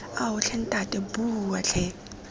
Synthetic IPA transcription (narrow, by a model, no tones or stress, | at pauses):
aɦʊɬʰɛn̩tʼatʼɛbuwaɬʰɛ